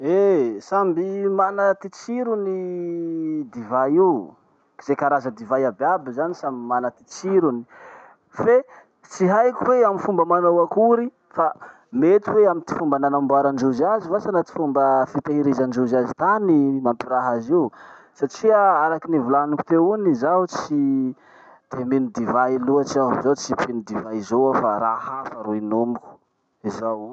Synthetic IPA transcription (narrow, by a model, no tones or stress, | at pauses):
esambimanət̪it͡siɾuni | d̪ivaji | ki̥z̥ekaɾazəd̪ivajababizanisamimanat̪i̥t͡siɾuni̥ | fe | t͡siɦajkuweaminfumbəmanawakuɾi | fa | met̪iweamint̪i̥fumbənanambaɾand͡ʒuzazivasanat̪i̥fumbəfit̪eɦiɾizand͡ʒuzazit̪animampiɾaɦaziw | saʈ͡ʂiaaɾakinivulanuku̥t̪eunizaut͡si | d̪̥eminid̪ivailuat͡ʃazawt͡sipʰinud̪ivaizowafaɾahafaɾuinomiku̥ | izaw